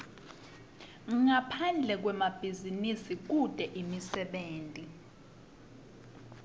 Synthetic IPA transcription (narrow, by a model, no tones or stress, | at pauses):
ŋapʰand͡ɮʱɛk̬wɛmab̥ʱizinisik̬ud̥ʱɛʔimisɛɓeːntʼi